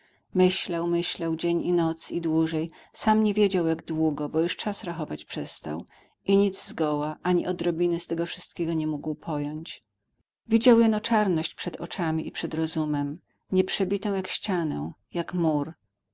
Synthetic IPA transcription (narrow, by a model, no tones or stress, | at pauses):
mɘɕlawmɘɕlawd͡ʑeɲinɔt̪sid̪wuʐɛjsamɲevʲjed͡ʑawjaɡd̪wuɡɔbɔjuʂt͡ʂasɾaxɔvat͡ɕpʂɛst̪a̰w | iɲid̪zzɡɔwaʔaɲiʔɔd̪ɾɔbʲinɘst̪ɛɡɔfʂɨst̪̚kʲɛɡɔɲɛmuɡwpʰɔjɔɲt͡ɕ | vʲid͡ʑawjɛnɔt͡ʂaɾnɔɕt͡ɕpʂɛd̪ɔt͡ʂamʲiʔipʂɛd̪ɾɔzumɛm | ɲɛpʂɛbʲit̪ɔ̃w̃jakɕt͡ɕanɛ̰̃ | jakmuɾ